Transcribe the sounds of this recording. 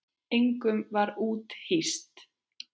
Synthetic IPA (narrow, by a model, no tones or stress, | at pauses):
eŋkʏmvaɾuːt̪hist̪